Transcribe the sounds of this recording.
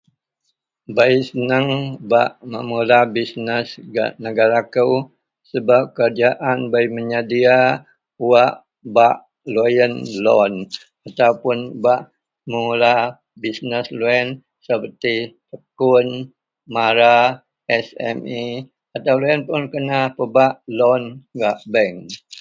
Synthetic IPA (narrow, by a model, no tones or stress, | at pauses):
baisənəŋbaʔməmulabisnəsɡa̰ʔnəɡaɾakəw | səbap̚kərd͡ʒaʔanbaiməɲadia | uwaʔ | baʔ | lojənlɔ̰n | at̪awpʊnbaʔ | məmula | bisnəsloɛn | səpərt̪i | əkʊn | maɾa | ɛsɛ̰mi | at̪awloənpʊnkənapəbaʔlɔnɡaʔbɛŋ